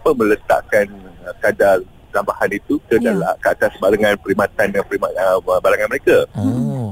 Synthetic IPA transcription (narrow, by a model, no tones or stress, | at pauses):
pəmə̃lət̪a̰ʔkanəkada | t̪ambahanit̪ukənalkəat̪asbaɾaŋãnpəɾimãt̪andəŋanpəɾimaəbaɾaŋanməɾeka